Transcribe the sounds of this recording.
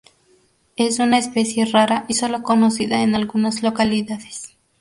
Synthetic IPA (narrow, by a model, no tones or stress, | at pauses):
e̞sunaespe̞sje̞raɾaʔiso̞lo̞ko̞no̞siðaenalɣunazlo̞kaliðaðe̥s